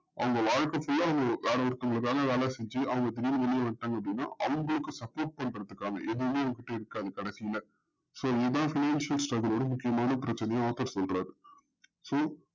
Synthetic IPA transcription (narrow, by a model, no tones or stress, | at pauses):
ʔɐ̰ʋɐŋɡɐʋaːɻkːɐfʊɭːaːʋɐŋɡɐʋeːɽɐɔɾɯt̪ːɐʊŋɡɐɭɯkːaːŋɡɐʋeːɭaːsɛɲd͡ʒiʔɐʋɐŋɡɐd̪ɪɾiːnʋɛɭɪjɐʋɐɳʈːaːŋɡɐp̚ːɽinːa̰ːʔɐʋɐŋɡɐɭɯkːɯsɐpoːɾʈ̚pɐɳɾɐðɯkːaːŋɐ̰ʔɛðɯɯmeːɐʋɐŋɡɐkːɪʈːɐɪɾɯkːaːðɯkɐɽɐsɪjɪlɐ | soːɪðãːfɪnaːnsɪɐlsʈɾɐɡɐloːɽɐmʊkːɪjɐmaːnɐpɪɾɐt͡ʃːɐnɛjɐ̃aːt̪ɐɾsɔlrɾaːɾɯ | soː